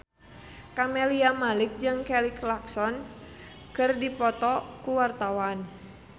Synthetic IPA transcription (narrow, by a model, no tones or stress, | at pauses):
kamɛliamalɪk̚d͡ʒɨŋkɛliklaksɔn | kɨrdipɔt̪ɔkuwart̪awan